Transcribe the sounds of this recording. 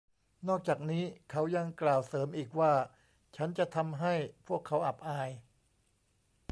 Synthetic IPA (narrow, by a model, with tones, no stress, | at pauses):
nɔː˥˩k̚t͡ɕaː˨˩k̚niː˦˥kʰa˦˥wja˧ŋklaː˨˩wsɤː˩˦mʔiː˨˩k̚waː˥˩ | t͡ɕʰa˦˥nt͡ɕa˨˩ʔt̪ʰa˧mɦa˥˩jpʰu˥˩əkʰːa˦˥wʔa˨˩p̚ʔaː˧j